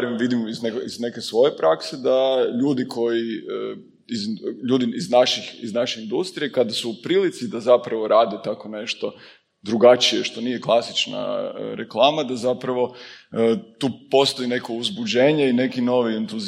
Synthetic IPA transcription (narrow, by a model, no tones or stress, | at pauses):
ɾimʋid̪imiznekizne̞ke̞sʋo̞je̞pɾakse̞d̪aʎuːd̪ikʰo̞jiə | izʎuːd̪iiznaʃixḭznaʃe̞ind̪ust̪ɾije̞kad̪asuːpɾilit̪sid̪azapɾaʋo̞ɾaːd̪et̪ako̞ne̞ʃt̪o̞ | d̪ɾuɡat͡ʃijeʃt̪o̞nije̞klˠasit͡ʃna̰ɾeklˠaːmad̪azapɾaʋo̞ | t̪uːpo̞st̪o̞ine̞kouzbud͡ʒe̞ːɲeine̞kino̞ʋient̪uz